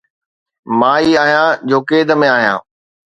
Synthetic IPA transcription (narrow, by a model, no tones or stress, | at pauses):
mãːiaːɦjãd͡ʑoːkeːd̪ə̆mẽaːɦijã̰ː